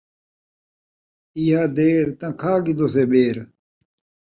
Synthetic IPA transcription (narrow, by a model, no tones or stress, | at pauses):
ijaːd̪eːɾt̪ɐ̃kʰaːɡid̪oːsebeːɾ